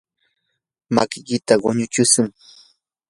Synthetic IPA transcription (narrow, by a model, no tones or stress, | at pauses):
makɪkɪt̪aɢoɲʊt͡ʃʊsʊŋ